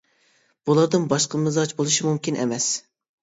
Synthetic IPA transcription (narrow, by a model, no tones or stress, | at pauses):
b̥ulˠɑɾd̪ɨnbɑʃqəmɨzɑd͡ʒbolˠuʃimumkʲinʔḛmɛs